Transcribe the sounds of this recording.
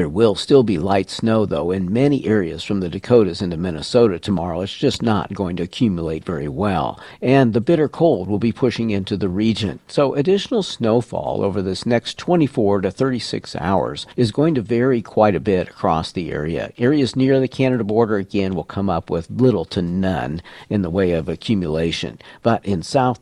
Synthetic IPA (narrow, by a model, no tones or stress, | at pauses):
ðə˞wɪlˠstɪlˠbilaɪtsnoʊðoʊɨ̃nmɛniʔɛɹiɨ̰z̥fɹʌ̃mðɨdɨkʰoʊɾɨzɨ̃ntɨmɪnɨsoʊɾɨtʰəmɑɹoʊɨtsd̥ʒ̥ʌsnə̰t̚ɡ̥oʊɪ̃ŋtɨɨkʰj̥ʉmjəleɪtv̥ɛɹḭwɛ̰lˠɨ̃nðɨbɪɾə˞kʰoʊlˠd̚wəlˠbipʰʊʃɪ̃ŋɪ̃ntʉðɨɹid͡ʒɨ̰̃nsoʊʔɨdɪʃn̩l̩ˠsnoʊfɔ̰lˠo̰ʊvə˞ðɪsnɛkstʰw̥ɛ̃ɾ̃ifɔɹɾɨθɜ˞ɾisɪ̰ksa̰ʊə̰˞z̥ɨzɡoʊɪ̃ŋtɨvɛɹikʰw̥aɪɾɨbɪɾɨ̥kʰɹ̥ɔ̰sðiɛ̰ɹiɨ̰ɛɹiɨznɪɹðɨkʰænɨɾəbɔɹɾə˞ɨɡɛ̃nwəlˠkʰʌ̃mʌpwɪðlɪɾl̩ˠtʰɨnʌ̰̃nɨ̃nðəweɪʌvɨkʰj̥ʉmjəleɪʃɨ̰̃nb̥ʌɾʔɪ̃nsaʊθ